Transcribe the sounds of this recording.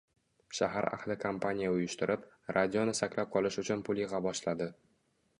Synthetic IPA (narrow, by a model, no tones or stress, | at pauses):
ʃaɦaɾa̰χlɪkʰampʰanʲijaʊjʊʃt̪ɪɾʔɪp | ɾʔad̪ʲijonɪsakʲlap̚qʰɒlɪʃʊt͡ʃʰʊnpʰʊlˠjɪʁɑbɒʃlad̪ɪ